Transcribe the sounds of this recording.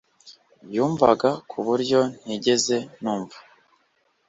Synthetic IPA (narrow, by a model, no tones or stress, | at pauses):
bjuːɱva̰ɡakʰuβuɾɟo̞n̥iɟe̞ze̞nuːɱvḁ